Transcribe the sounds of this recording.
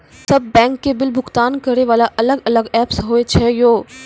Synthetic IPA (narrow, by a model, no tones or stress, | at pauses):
sɐb̚ːɛ̃ːŋkːebɪlbʱʊɡt̪aːnkɐɾeʋaːlaʔɐləɡɐləɡɛːpsɦoːet͡ʃʰɛjoː